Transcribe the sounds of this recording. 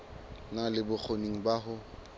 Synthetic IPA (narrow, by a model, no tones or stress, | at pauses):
nalɪbʊk͡xʰoniŋ̩baɦʊ